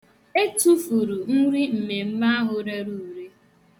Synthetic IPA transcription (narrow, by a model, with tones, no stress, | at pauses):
e˦tu˦fu˨ɾu˨n̩˦ɾi˦m̩˨me˨m̩˦ma˦a˦ɦʊ˨ɾe˦ɾu˦u˨ɾe˦